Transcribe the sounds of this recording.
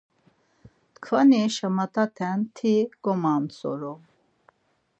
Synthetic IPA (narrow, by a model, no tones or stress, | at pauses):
kʰvaniʃəmat̪ʰʼat̪ʰɛnt̪ʰiɡ̥ɔmant͡sɔ̰ɾɔ